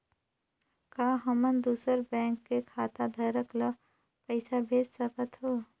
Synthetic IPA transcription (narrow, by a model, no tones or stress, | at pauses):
kaːɦɐmənd̪uːsəɾbɛ̃ːŋkːekʰaːt̪ad̪ʱəɾəklə | pəɪsabʱeːd͡ʒsəkət̪ɦoː